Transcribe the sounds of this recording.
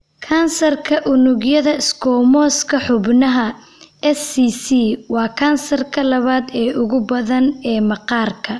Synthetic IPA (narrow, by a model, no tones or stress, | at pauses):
kʰaːnsɐrkʰɐʔʊnʊɡjɐðɐɪskʰɔːmɔːskʰɐħʊbnɐɦɐ | ɛsiːsiːwɑːkʰaːnsɐrkʰɐlɐβaːd̪ɛːʊɣʊbɐðɐnɛːmɐqɑːrkʰɐ